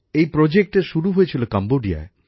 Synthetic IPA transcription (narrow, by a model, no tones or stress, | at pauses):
ejpɾod͡ʑek̚ʈeʃuɾuɦojet͡ɕʰilokamboɖia̰e